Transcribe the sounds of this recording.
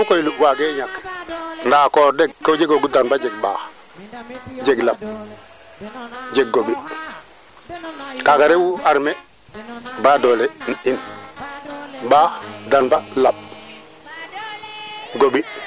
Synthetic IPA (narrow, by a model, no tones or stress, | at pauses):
mukojluʔwaɡeɲakndaːkɔdɛɡ̚kːod͡ʒeɡoɡudanbad͡ʒɛɡ̚ɓaː | d͡ʒeɡlaɓ̚ | d͡ʒeɡ̚ɡoɓi | kaɡaɾewuaɾmɛ | baːdɔlenin | badanbalaɓ | ɡoɓi